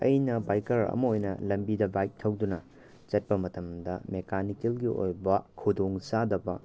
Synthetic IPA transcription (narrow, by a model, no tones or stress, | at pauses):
ɐjnɐbajkɐɾɐ̰mɐojnɐ̰lɐmbidɐbajk̚tʰːɐwdunɐ | t͡ʃɐt̚pɐmɐtɐmdɐmekanikelɡiʔo̰jbɐkʰudoŋsadɐbɐ